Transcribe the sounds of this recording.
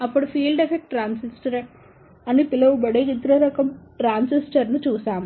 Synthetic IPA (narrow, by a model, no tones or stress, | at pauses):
ɐpːɐɽufiːlɖefɛk̚ʈʈɾaːnsɪsʈɐɾɐ | ɐnːipɪlɐʋbɐɽɐkɪt̪ːɾɐɾɐkːɐmʈɾaːnsɪsʈɐɾnɯt͡ʃuːsaːmɐ